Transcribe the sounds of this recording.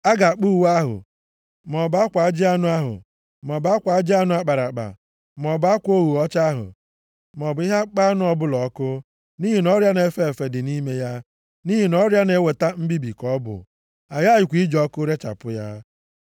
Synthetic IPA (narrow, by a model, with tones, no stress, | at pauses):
a˦ɡa˨a˨k͡pu˦wa˦ɦʊ̰˨ | mɔ˨ba˦kʷa˨˦d͡ʒɪ˦a˦nʊ˦a˦ɦʊ̰˨ | m˨ɔ˨ba˦kʷa˨˦d͡ʒɪ˦a˦nʊ˦a˦k͡pa˨ɾa˨k͡pa̰˨ | m˨ɔ˨ba˦kʷo˦wu˨ɔ˦t͡ʃa˦ɦʊ̰˨ | m˨ɔ˨bʊ˨˦ɪ˦ɦa˦k͡pa˦nʊ˦ɔ˦bʊ˦lɔ˨˦kʊ˦ | ni˦ɦi˨nɔ˦ɾja˦ne˨˦fe˦˨fe˨dɪ˨ni˦me˦ja˦ | ni˦ɦi˨nɔ˦ɾja˦ne˦we˨ta˦m̩˦bi˦bi˨kɔ˦bʊ̰˨ | a˨ja˦jɪ˨kʷi˦d͡ʒɔ˦kʊ˦ɾe˦t͡ʃa̰˨pʊ˦ja̰˦